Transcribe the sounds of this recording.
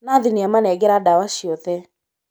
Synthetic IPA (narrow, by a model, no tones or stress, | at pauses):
naðiniamanɛɡɛɾadawaʃiɔðɛ